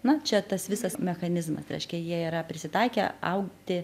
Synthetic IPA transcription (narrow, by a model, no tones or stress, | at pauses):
nʊt͡ʃʲɛt̪ɐsʋʲɪsɐsmʲɛxɐnʲɪzmɐ̰sɾʲɛ̰ɪʃʲkʲɛjiɛiːɾɐpʲɾʲɪsʲɪt̪ɑɪkʲɛɐ̰ʊkt̪ʲɪ